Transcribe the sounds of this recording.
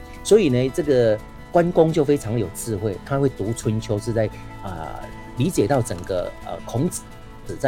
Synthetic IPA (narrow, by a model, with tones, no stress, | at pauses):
swɔ˧˥i˨˩nə˦t͡sɤ˥˩ɡə˨ | kwa˦nkʊ˥ŋt͡ɕjo˥˩ʊfe˥ɪɑ˧˦ŋjo˨˩ʊt͡sɹ̩˥˧xwe˥˩ɪt̪ʰa˦˥xwe˥˩ɪt̪u˨˥˦t͡sʰwə˧˥nt͡ɕʰjo˥ʊʂɻ̩˥˧t͡sa˥˩ɪ | ə̰˨ | li˨˥t͡ɕjɛ˨˩t̪ɑ˥˩ʊt͡sə˨˩ŋɡə̰˩ə̰˨˩kʰʊ˧˥ŋt͡s̩˨˩˦ | t͡sɹ̩˨˩t͡sa˥˩